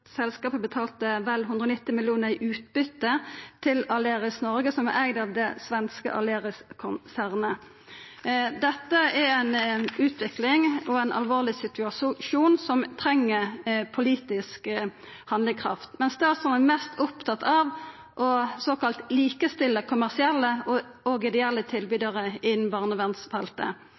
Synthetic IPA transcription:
sɛlskɑːpəbət̪ʰɑːlt̪əʋɛlɦʉnd̪ʁəɔnɪt̪ːɪmɪljuːnəʁɪʔʉːt̪̚bʏt̪ːət̪ʰɪlɑleːʁɪsnɔɾɡəsɔmʋæɾɛɡd̪ɑʋd̪ɛsʋɛnskə̰ʔɑ̰leːʁɪskʰʊnsæːʁnə | d̪ɛt̪ːəæɾæɪnʉːt̪ʰʋɪklɪŋɔæɪnʔɑ̰lʋoːʁlɪsɪt̪ʉɑsʃuːnsɔmt̪ʰɾɛŋːəpʰʊliːt̪ɪsk | hɑnd̪lɪŋkʰʁɑ̰ft̪mɛnsd̪ɛæʁsɔnənmɛst̪ʊpt̪ʰɑt̪ɑʋ | ʔɔsoːkɑlt̪liːkəst̪ɪlːəkʰʊmæʁsɪɛlːəɔɔɡɪd̪ɪɛlːət̪ʰɪlbyːd̪əʁəɪnnbɑːʁnɔʋɛnsfɛlt̪ə̰

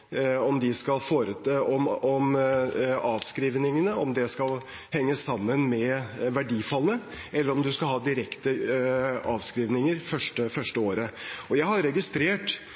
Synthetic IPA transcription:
ɔmd̪ɪskɑlfoːɾəɔmɔm | ɑːʋskɾiːʋnɪŋənəɔ̰md̪ɛskɑl | hɛŋːəsːɑmːənmɛʋæɖiːfɑlənə | ɛlːəɾɔmd̪ʉskɑlɦɑːd̪ɪɾɛkt̪ə | ɑːʋskɾiːʋnɪŋəɾfœʂʈəfœʂʈəoːɾəɔjæɪhɑɾɾɛɡɪst̪ɾeːʈ

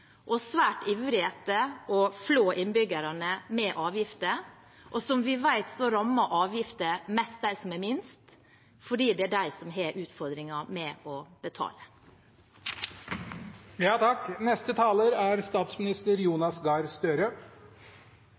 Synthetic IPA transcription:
ʔɔsʋæːʈɪʋɾɪheːt̪əɔfloːʔɪnbʏɡəɾɑnəmɛʔɑːʋjɪft̪ə | ʔɔsɔmʋɪʋæɪt̪sɔɾɑmːɑʔɑːʋjɪft̪əmɛst̪̚d̪æɪsɔmɛmɪnst̪ | fɔɖiːd̪ɛæɖæɪsɔmɦeːɾʔʉːt̪fɔɾd̪ɾɪŋɑmɛɔb̥ət̪ʰɑ̰ːlə | jɑːt̪ʰɑknɛst̪ət̪ʰɑːləɾæɾst̪ɑːt̪smɪnɪst̪əɾjuːnɑsɡɑɾst̪øːɾə

